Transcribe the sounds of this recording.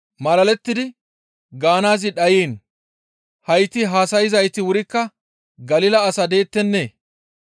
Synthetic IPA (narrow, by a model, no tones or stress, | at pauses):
mɐlɐlɛt̪ːɪd̪ɪ | ɡaːnaːzɪɗɐjeːn | hɐjt̪ːɪɦaːsɐjɪzɐjt̪ɪwʊɾɪkːɐ | ɡɐlɪlɐːsɐd̪e̞ːt̪ːɛnːeː